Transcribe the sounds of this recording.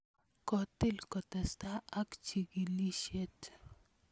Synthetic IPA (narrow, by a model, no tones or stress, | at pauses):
kɔt̪ilkɔt̪ɐst̪aakt͡ʃiɡiliʃet